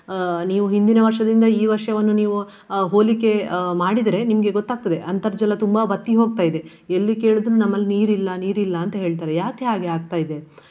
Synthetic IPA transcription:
niːʋuɦind̪inɐʋɐɾʂɐd̪ind̪ɐiːʋɐɾʂɐʋɐnːuniːʋu | ɦo̞ːlikːe̞maːɽid̪ɐɾe̞nimɐɡe̞ɡot̪ːaːɡ̚t̪ɐd̪e̞ʔɐnt̪ɐɾd͡ʒɐlːɐt̪umbɐbɐt̪ːiɦo̞ːɡ̚t̪aːjid̪e̞ | elːike̞ːɭud̪nunɐmːɐlːiniːɾilːɐniːɾilːɐːnt̪ɐɦe̞ːɭt̪aːɾejaːke̞ɦaːɡeaːɡ̚t̪aːjid̪e̞

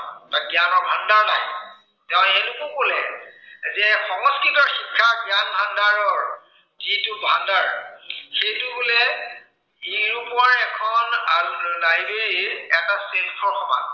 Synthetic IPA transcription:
taɡjanɔɹbʱandaɹna̰j | tɛʊ̃nɛnʊkukolɛ̰zɛxɔŋɔskɹitɔɹxikʰːaɡjanbʱandaɹɔɹ | zitʊbʱandaɹxejtubolɛ | iɹupɔaɹɛkʰɔnaɹulajbeɹiɛtasilkʰɔxɔba̰

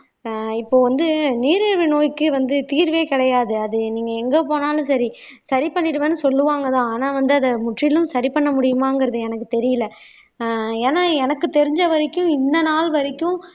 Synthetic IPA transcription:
ɪpːoːʋɐnd̪ɯniːɾɪɾʋɯnoːjkːɯʋɐnd̪ɯt̪iːɾʋeːkɪɽɐjaːðɯɐðɯniːŋɡɐɛŋɡeːpoːnaːlʊ̃sɐɾi | sɐɾipɐɳːɪɾɯʋeːnːɯsɔlːɯʋaːŋɡɐt̪ãːaːnaːʋɐnd̪ɯɐðɐmʊʈrɪlɯ̃msɐɾipɐɳːɐmʊɽɪjɯmaːnɡɪɾɐðɯɛnɐkːɯt̪ɛɾɪjɪlːɐ | eːnaːɛnɐkːɯt̪ɛɾɪɲd͡ʒɐʋɐɾɪkːʊ̃ɪnd̪ɐnaːlʋɐɾɪkːʊ̃

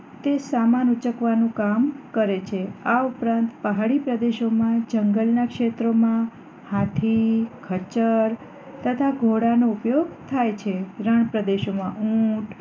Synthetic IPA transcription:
t̪esamanut͡ʃəkʋanũkamkəɾet͡ʃʰeaupɾãnt̪pəɦaɽipɾəd̪eʃomãd͡ʒəŋɡəlnakʃet̪ɾomã | hat̪ʰikʰət͡ʃəɾ | t̪ət̪ʰaɡʱoɽanoupjoɡt̪ʰajt͡ʃʰeɾəɳ̃pɾəd̪eʃomãʔũʈ

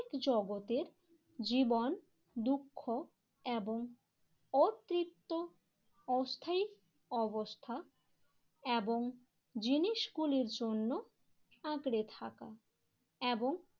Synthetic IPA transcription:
kd͡ʑɔɡot̪eɾ | d͡ʑibon | d̪ukʰːo | eboŋ | ɔt̪ːɾit̪ːo | ɔst̪ʰai | ɔbost̪ʰa | eboŋ | d͡ʑiniʃɡuliɾd͡ʑonːo | ãɡɽet̪ʰa̰ka̰ | eboŋ

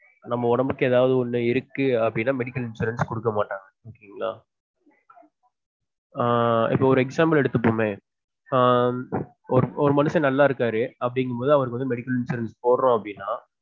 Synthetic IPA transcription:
nɐmːɐʊɽɐmbɯkːɯeːðaːʋɐðɯɔnːɯɪɾɯkːɯɐpːɐɽɪnːaːmɛɽɪkːɐlɪnsuːɾɐnskɔɽɯkːɐmaːʈːaːŋɡɐokːɪŋɡɐlaː | ɪ̰pːoːɔɾɯɛksaːmbɐlɛɽɯt̪ːɯpːoːmeː | ɔɾɯɔɾɯmɐnɯsɐ̃nɐlːaːɪɾɯkːaːɾɯɐpːɐɽɪŋɡɯɐmpoːðɯɐʋɐɾɯkːɯɐnd̪ɯmɛɽɪkːɐlɪnsuːɾɐnspoːɾɐɾʊ̃ɐpːɐɽɪnːaː

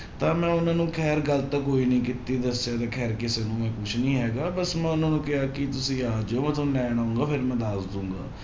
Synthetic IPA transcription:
t̪ãːmɛ̃ːʊnãːnũːkʰɛːɾɡəlt̪akːoːiːnəĩːkɪt̪ːiːd̪əsɪjaːt̪aːkʰɛːɾkɪseːnũːmɛ̃ːkʊt͡ʃʰnĩːɦɛːɡaːbəsmɛ̃ːʊnãːnũːkɪɦaːkɪt̪ʊsĩːaːd͡ʒoːmə̃t̪ʰõlɛːɽ̃aːʊ̃ŋɡaːpʰɪɾmɛ̃ːd̪aːsd̪ũːŋɡa̰ː

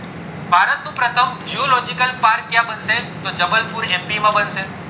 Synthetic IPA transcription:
bʱaɾət̪nũpɾət̪ʰəmd͡ʒiolɔd͡ʒikəlpaɾkːjãbənset̪od͡ʒəməlpuɾɛ̃mpimãbənse

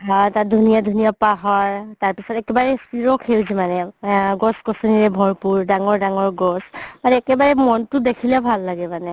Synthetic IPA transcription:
ɦɔtadʱunijadʱunijapaɦɔɹtaɹpisɔtɛkɛbaɹɛsiɹɔkʰewzimanɛɡɔskɔsɔniɹɛbʱɔɹpuɹdaŋɔɹdaŋɔɹɡɔsmanɛːkɛbaɹɛmɔntʊdekʰilɛbʱalːaɡɛmanɛ

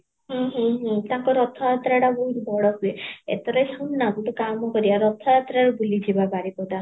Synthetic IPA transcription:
ɦɔ̃ɦɔ̃ɦɔ̃t̪ãŋkɔɾɔt̪ʰɔjat̪ɾaɽaboɦut̪bɔɽɔkueḛt̪ɔɾɔjsannakuʈukamɔkɔɾibaɾɔt̪ʰɔjat̪ɾaɾubulid͡ʒibapaɾipɔd̪a

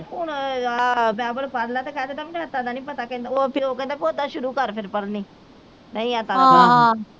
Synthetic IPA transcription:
ɦʊɳ | bɛːbəlpəɾlaːt̪eːkʰɛːd̪eːt̪aːm̃ːnət̪ːãːd̪aːnĩːpət̪aːkẽːnd̪oːpioːkẽːnd̪aːpiod̪aːʃʊɾuːkəɾpʰɪɾpəɾniː | nəĩːat̪aːa

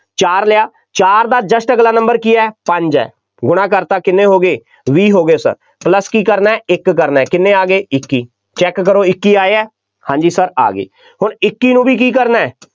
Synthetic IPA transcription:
t͡ʃaːɾlɪjaː | t͡ʃaːɾd̪aːd͡ʒəsʈəɡlaːnə̃mbəɾkiːɛːpəɲd͡ʒɛ̰ː | ɡʊɽ̃ãːkəɾt̪aːkɪnːeːɦoːɡeː | ʋiːɦoːɡeoːsə̰ɾ | pləskiːkəɾnaːɛːɪkːəɾnaːɛːkɪnːẽːaːɡeːɪkːiː | t͡ʃɛːkːəɾoːɪkːiːaːeɛː | hãːɲd͡ʒiːsəɾa̰ːɡḛː | hʊɳɪkːiːnũːbʱiːk̬iːk̬əɾnaːɛː

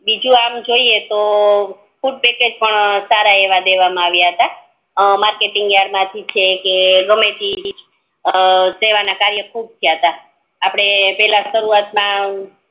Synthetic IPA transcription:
bid͡ʒũamd͡ʒoiet̪o | fʰuʈ̚peked͡ʒpəɳsaɾaeʋad̪eʋamãaʋjaɦət̪a | maɾkeʈiŋɡjaɽmãt̪ʰit͡ʃʰekeɾomeʈi | seʋanakaɾjəkʰub̚t̪ʰijiɦət̪aː | pɽ̃epɛlaʃəɾuat̪mã

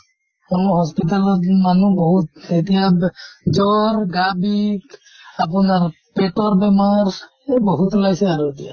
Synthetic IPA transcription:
ɔnɔɦɔspit̪alɔmanubɔɦut̪̚et̪ijad͡ʒɔɾɡabik | ap̬ɔnaɾ | peʈɔɾbɛmaɾ | bɔɦut̪ɔlajseaɾuet̪ija̰

